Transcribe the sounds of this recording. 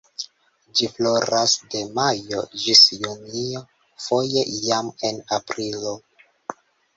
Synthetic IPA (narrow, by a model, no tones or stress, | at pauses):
d͡ʒiflo̞ɾasde̞majo̞d͡ʒisjunio | fo̞je̞jame̞napɾilo̞